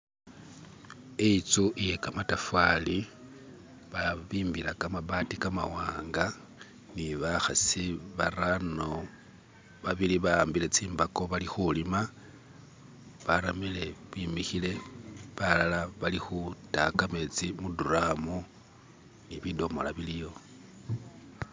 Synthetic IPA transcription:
eit͡suʔije̞kamatafwali | βaβiːmbiɾakamabatikama̰waːŋɡa | niβaxasiβarano̞ | βaβiliβaaːmbile̞t͡siːmbako̞βalixulima | βaɾamile̞βwimixile̞βalalaβalixutakame̞t͡simuduramu | niβido̞mo̞̰laβilijo̞

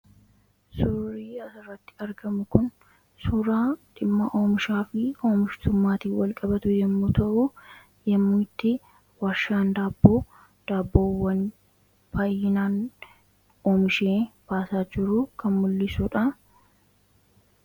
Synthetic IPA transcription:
sʊriːɐsɐrːɐt̪ːɪ̥ɐɾɡɐmʊkʊn | suːɾaːᶑɪmːɐʔoːmɪʃaːfɪoːmɪʃt̪ʊmːaːt̪iːwɐlkʼɐbɐt̪ʊjɛmːuːt̪ɐʔʊ | jɐmːuːt̪ːɪ | waːʃːaːnd̪aːbːoː | d̪̥aːbːoːwɐn | bɐjːɪnaːn | oːmɪʃeːb̥aːsaːd͡ʒɪɾʊkʰɐnmʊlːɪsuᶑɐ

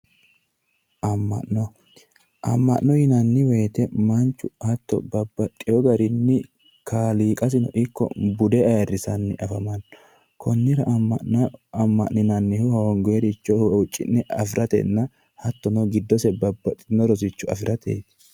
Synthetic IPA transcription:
ʔɐmːɐ̰ʔnɔ | ʔɐ̰mːɐʔnɔjɪnɐnːɪweːt̪ɛmɐnt͡ʃːʊhɐt̪ːɔ̰bɐbːɐt̪ʼːɪjɔɡɐɾɪnːɪ | kʰaːliːkʼɐs̬ɪnɔ̰ʔɪkːɔ̰bʊd̪ɛɐrːɪsɐnːɪʔɐfɐmɐn | kʰɔnːɪɾɐ | ɐmːɐ̰ʔnɪnɐnːɪhʊhɔɔŋɡeɾɪt͡ʃːɔhʊt͡ʃʼːɪ̰nːɛɐfɪɾɐt̪ɛ̰nːɐ | hɐt̪ːɔnɔɡɪd̪ːɔsɛbɐbːɐt̪ʼːɪnɔɾɔsɪt͡ʃːʊɐ̰fɪɾɐt̪ḛːt̪

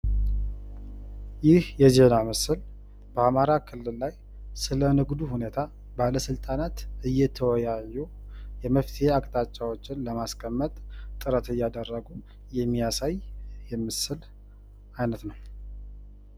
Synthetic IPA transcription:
jɪhjɛzenamɨsɨl | bəamaɾakʰɨlːɨlːaj | sɨlənɨɡd̪uhune̞t̪ʰa | baləsɨlt̪ʼanat̪ɨjːɛt̪ʰəwɔjajːu | jɛməft̪ʰiheakʼt̪ʼat͡ʃʼːawo̞t͡ʃːɪnləmaskʰəmːət̪ʼt̪ʼɨɾət̪ɨjːad̪ərːəɡu | jɛmːijasajjɛmɨsɨl | ajnət̪nəw

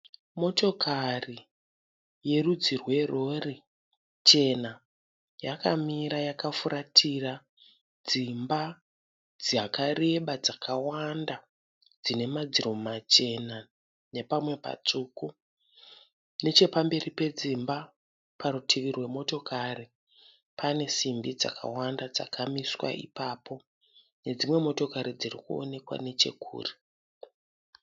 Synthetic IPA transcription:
mo̞to̞kʰari | je̞rud͡zirwe̞ro̞ri | t͡ʃe̞na | jakamiɾajakafuɾʔatʰira | d͡zimba | d͡ziakareɓad͡zakʰawanda | d͡zine̞mad͡ziro̞mat͡ʃe̞na | ne̞pamwe̞pa̰t͡suːku | ne̞t͡ʃe̞pambe̞ripe̞d͡zimba | paɾutʰiʋirwe̞mo̞to̞kʰari | pʰane̞simbid͡za̰ka̰wandad͡za̰kʰamiswa̰ḭpaːpʰo̞ | ne̞d͡zimwe̞mo̞to̞kaɾid͡zirikuo̞̰ne̞kwa̰ne̞t͡ʃe̞̰kʰṵːri

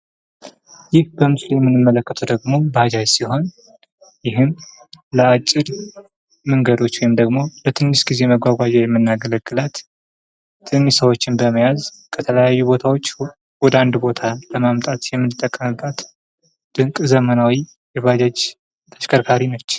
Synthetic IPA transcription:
jɪhbəmɨsljɛmːɨnːɨmːələkːət̪ʰəd̪əɡmo̞bad͡ʒad͡ʒsiɦo̞n | jɪɦɨm | ləat͡ʃʼːɪɾ | məŋɡəd̪o̞t͡ʃːwɔjɪmd̪əɡmo̞lət̪ʰɨnːɨʃɡ̥ize̞məɡʷaɡʷad͡ʒɛjɛmːɨnːaɡələɡːɨlat̪ʰː | ɨnːɨsəwo̞t͡ʃːɪnbəməjaz | kʰət̪ʰələjajːubo̞t̪ʰawo̞t͡ʃː | wɔd̪əand̪bo̞t̪ʰaləmamt̪ʼat̪jɛmːɨnɨt̪ʼːəkʼːəmɨbːat̪ | d̪̥ɨŋkʼzəmənawi | jɛβad͡ʒad͡ʒ | t̪ʰəʃkʰəɾkʰaɾinət͡ʃː

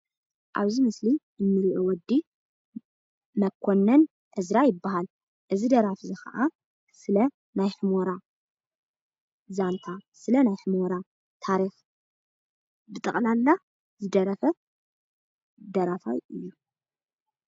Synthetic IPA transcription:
ʔa̰βzimɨsli | ɨnːɨlʔowɔd̪ːi | mɐkʷʰːonːɐn | ʔɨzɾajɪbːaɦal | ʔɨzid̪ɐɾafzixɐ̰ʔa | sɨlɐ | najħɨmoɾa | zant̪ʰasɨlɐnajħɨmoɾa | t̪ʰaɾix | bɨt̪ʼɨχʼnalːa | zɨd̪ɐɾɐfɐ | d̪ɐɾafa̰jɨjːu

